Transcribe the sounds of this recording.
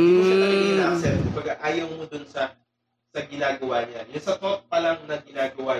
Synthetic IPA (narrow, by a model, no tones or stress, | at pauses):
imʊsɐnɐɐŋinasɛt̪̚kʊmbɐɡaʔaːjɐwmod̪ʊnsɐ | sɐɡɪnaːɡɐwaɲajʊnsɐt̪op̚pɐlɐŋnɐɡɪnaːɡɐwa